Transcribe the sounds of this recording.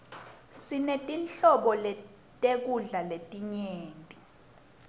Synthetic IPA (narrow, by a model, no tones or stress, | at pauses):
sinetʼinɬɔɓɔlɛ | tʼek̬uɮaletʼiɲeːŋtʼi